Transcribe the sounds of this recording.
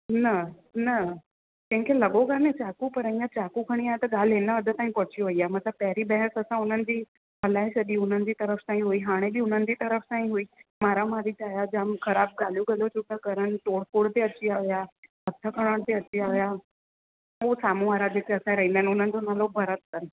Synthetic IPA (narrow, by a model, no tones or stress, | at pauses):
nɐ | nɐ | kɐ̃ɦɪ̃kʰelɐɠokəɾnet͡ɕaːkupɐɾɐĩːãt͡ɕaːkukʰɐɽ̃iaːɦet̪ɐɠaːl̤ɦɪnəɐd̪ʱət̪aːĩpɔɦt͡ɕijoʋɐiaːemɐt̪ləb̚pɐɦɪɾibɛɦəsɐsãʊn̤ənɪ̆d͡ʑiː | ɦɐlaːesʰɐɗiʊn̤ənɪ̆d͡ʑiːt̪ɐɾəft̪ãːĩɦuiɦaːɽ̃ebiʊn̤ənɪ̆d͡ʑit̪ɐɾəfsãːĩɦuiːmaːɾamaːɾit͡ɕaːjad͡ʑãːmxɐɾaːb̚ɡaːl̤jũɡɐlot͡ɕʰʊkə̃kɐɾəɽ̃̆ʈoːɽkoːɽt̪eɐt͡ɕiaːʋijaɦɐt̪ʰəkɐɽ̃əɽ̃t̪eɐt͡ɕiaːʋija | oːsaːmũʋaːɾad͡ʑeːk̪eɐsãɾɐɦĩnd̪aɦnɪʊn̤ənɪ̆d͡ʑonaːlobʱɐɾət̪̚kəɾɪ̆